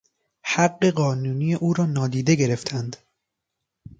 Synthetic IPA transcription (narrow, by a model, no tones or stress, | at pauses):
hæɢːe̞ɢɒːnuːniːjeʔuːɾɒːnɒːd̪iːd̪e̞ɡe̞ɾe̞ft̪ʰænd̪